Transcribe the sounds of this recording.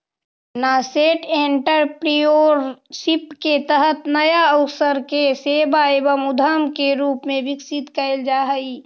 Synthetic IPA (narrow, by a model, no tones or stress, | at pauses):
naːseːʈeːɳʈəɾpɾijoːɾsɪpket̪əɦət̪nɐjaəʊsəɾkeseːbaebəmʊd̪ʱamkeɾuːpmẽʋɪksɪt̪kəɪld͡ʒaːɦəi